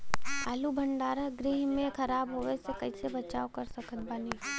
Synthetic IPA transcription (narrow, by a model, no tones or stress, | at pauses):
aːlubʱə̃ɳɖaːɾə̃ɡɾiɦmẽkʰɐɾaːbɦoːʋesekɐisebɐt͡ʃaːokɐɾsɐkʰət̪baːni